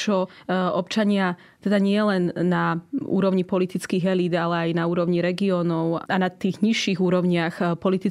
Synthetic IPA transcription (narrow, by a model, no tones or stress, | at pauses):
t͡ʃɔɔpt͡ʃaɲɪa | t̪ɛd̪aɲɪɛlɛnːaṵːɾɔʊɲipɔlit̪it͡skiːɣɛliːd̪alɛajnauːɾɔʊɲiɾɛɡiɔːnɔʊanat̪iːɣɲiʃːiɣuːɾɔʊɲɪaxpɔlit̪i